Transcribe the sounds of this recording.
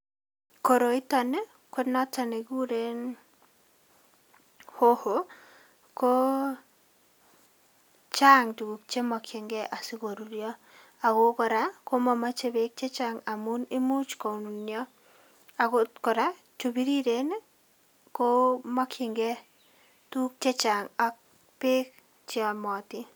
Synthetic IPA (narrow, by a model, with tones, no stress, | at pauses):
ko˨ɾo˨ɪ˦tɔ˦ne˦ | ko˦nɔ˦tɔ˨ne˨ɡu˦ɾe˦n | ho˦ho˨ | ko˦ | t͡ʃa˦ŋtu˨ɡu˨k̚t͡ʃe˦mɔ˨kʰɪ˨ŋɡɛ˦ʔa˨sɪ˦ko˨ɾu˨ɾjɔ˦ | a˨ɡo˦kɔ˨ɾa˦ko˦mɔ˨ma˦t͡ʃe˦be˦k̚t͡ʃe˦t͡ʃa˨ŋa˨mu˦ni˦mu˦t͡ʃko˨nnjɔ˦ | a˨ɡo˦tkɔ˨ɾa˦ | t͡ʃo˨bi˦ɾi˦ɾe˨n | ko˦mɔ˦kʰɪ˨ŋɡɛ˦ | tu˦k̚t͡ʃe˦t͡ʃa˨ŋa˦k̚ | pe˦k | t͡ʃɔ˨mɔ˨tɪ˦